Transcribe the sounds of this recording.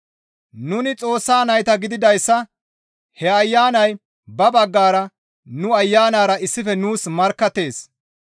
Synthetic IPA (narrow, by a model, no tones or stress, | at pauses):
nʊnɪt͡sʼo̞ːsːaːnɐjt̪ɐɡɪd̪ɪd̪ɐjsːɐ | hɛɐjːaːnɐj | bɐbɐɡːaːɾɐ | nʊɐjːaːnaːɾɐɪsːɪfɛnuːsmɐɾkːɐt̪ːe̞ːs